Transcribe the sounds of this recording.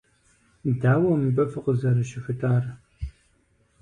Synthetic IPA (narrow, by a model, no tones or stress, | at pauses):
daːwɐmbɐfɨqəzɐɾɨʃɪɕʷʊtʰʼaːr